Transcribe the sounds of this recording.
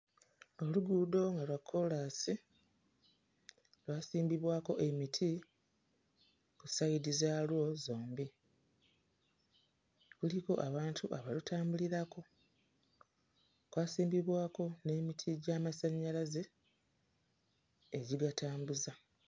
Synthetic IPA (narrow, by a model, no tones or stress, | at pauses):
o̞luɡuːdo̞ŋɡalwakʰːo̞lasi | lwaːsiːmbiβwaːko̞ʔe̞mitʰi | kusajiɾizalwo̞zo̞ːmbi | kuliko̞ʔaβaːntʰuʔaβalutʰaːmbuliɾako̞ | kwaːsiːmbiβwaːko̞ne̞ːmitʰiɟaːmasaɲːalaze | eɟiɡataːmbuza